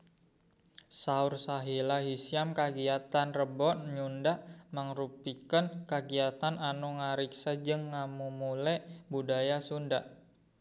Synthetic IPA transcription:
saursaɦilaɦisijamkaɡiat̪anrəbɔt̪ɲundaʔməŋrupikənkaɡiat̪ananuŋaɾiksad͡ʒəŋːamumulɛʔbudajasundaʔ

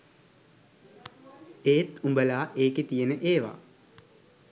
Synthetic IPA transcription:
eːt̪umbəlaːʔeːket̪ijenəʔeːʋa̰

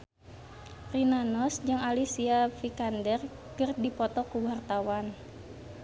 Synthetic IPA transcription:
rinanɔsd͡ʒɨŋalisiafikandɛr | kərdipɔt̪ɔkuwart̪awan

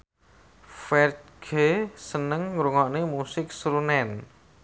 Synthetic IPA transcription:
fɛr̚ɡ̥esənəŋːɾuŋɔʔnemusɪk̚sɾunɛn

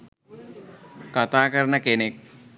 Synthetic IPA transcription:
kat̪aːkəɾənəkenek̚

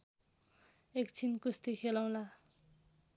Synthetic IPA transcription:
ekt͡sʰinkust̪ikʰelaw̃la

